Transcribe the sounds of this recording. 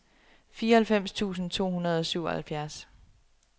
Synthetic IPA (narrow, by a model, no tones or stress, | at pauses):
fiːɐhælfem̰st͡sʰṵːsn̩t͡sʰo̝̰ːhunɐð̞ˠɒ̽syʊɒhælfjæɐs